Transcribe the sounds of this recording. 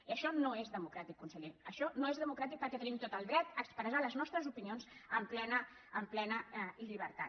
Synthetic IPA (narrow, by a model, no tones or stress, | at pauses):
iəʃɔnoezðəmukɾat̪ikːunsəʎenəʃɔnoezðəmukɾat̪ik̚pəɾkɛt̪ənimt̪ot̪əlˠd̪ɾɛt̪əkspɾəzaləznɔst̪ɾəzupinionzəmplɛnəː | mplɛnəiʎiβ̞əɾt̪a̰